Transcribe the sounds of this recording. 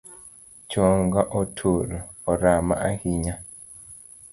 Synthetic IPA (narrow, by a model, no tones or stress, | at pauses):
t͡ʃɔŋɡaʔɔtʰoɾɔ | ɔɾama̰ʔahiɲa